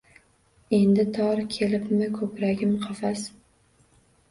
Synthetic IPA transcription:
e̞nd̪ɪt̪ʰɒɾkʲʰe̞lɪpmɪkʰɵpɾaɡʲɪmqʰɑfas

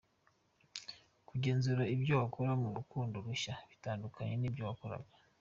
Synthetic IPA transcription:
kuɟe̞ːnzuɾaibjoβakʰoɾamuɾukuːndoɾuʃaβitaːndukʰaɲe̞niːbjoːβakoɾa̰ɡa

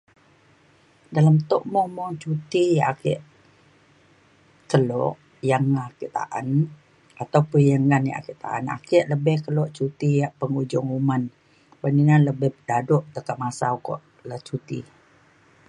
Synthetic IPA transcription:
dalamt̪ɔ̰ʔmɔmɔŋt͡ʃut̪ijaakɛ̰ʔ | kəlɔ̰ʔ | jaŋakiʔt̪a̰ʔa̰n | ʔat̪awpəjaŋanja̰ʔa̰kiʔt̪a̰ʔa̰na̰kɛʔləbɛhkəlɔʔt͡ʃut̪ijaʔpəŋud͡ʒɔŋuman | baninanləbɛhpədadɔʔt̪əkaʔmasaukɔ̰ʔ | lət͡ʃut̪ḭ

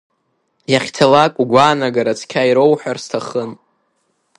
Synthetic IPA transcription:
jaχʲtʰalakʷʼuɡʷaːnaɡaɾat͡sʰkʲʰaiɾowħʷᶣarstʰaχən

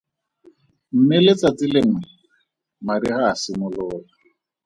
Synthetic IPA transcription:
m̩mɪlet͡sat͡sʼɪleŋ̩wɛ | maɾihaːsɪmʊlʊːla

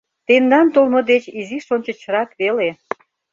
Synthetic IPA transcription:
t̪end̪ɑnt̪olməd̪et͡ɕiziʃonʲt͡ɕə̆t͡ɕəɾɑkβele

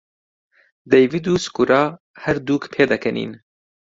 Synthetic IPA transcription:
d̪ejvid̪uːskuɾɑː | hɛɾd̪uːkpʰeːd̪ɐkɛnḭːn

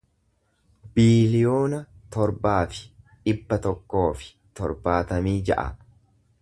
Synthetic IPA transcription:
biːlɪjo̞ːnɐt̪ɔɾbaːfɪ̥ᶑɪbːɐt̪ɔkːo̞ːfɪ̥ | t̪ɔ̰ɾbaːt̪ɐmiːd͡ʒɐ̰ʔɐ̰

